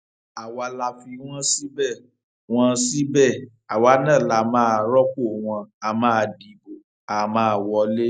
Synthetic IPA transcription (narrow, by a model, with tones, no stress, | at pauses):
a˨wa˧la˧fi˧w̃ɔ̃˦si˦bɛ˦˨ | w̃ɔ̃˧˦si˦bɛ˦˨ | a˨wa˨˦nãː˦˨la˨˦mãː˦˨ɾɔ˦k͡po˦˨w̃ɔ̃˧a˨mãː˦a˧di˧bo˨ | a˨mãː˨˦a˨wɔ˧le˦